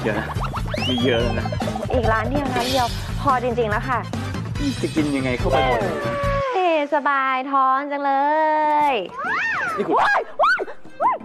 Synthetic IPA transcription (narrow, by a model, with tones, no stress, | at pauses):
jəː˧na˧˥˩ma˧˩jəː˧˩na˧˥˩ʔːʔiː˨˩k̚laː˦˥ndi˧˩ɐwnaː˦˥ndi˧əw | pʰɔː˧t͡ɕi˧ŋt͡ɕi˧ŋla˦˥wkʰa˥˩ | i˧˥˩t͡ɕa˧˩ki˧nja˧ŋːa˧jkʰa˥˩wpa˧˩la˧˩˧ʔeː˧˩sa˧baː˧jt̪ʰɔː˦˥ŋt͡ɕa˧ŋlɤː˧jʰ | iː˧˩ku˨˧˩aː˥˧˩j